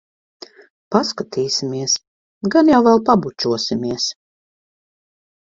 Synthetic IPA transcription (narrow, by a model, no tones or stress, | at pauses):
paskat̪iːsimiɛs | ɡanjawvɛlˠpabut͡ʃuɔsʲimiɛs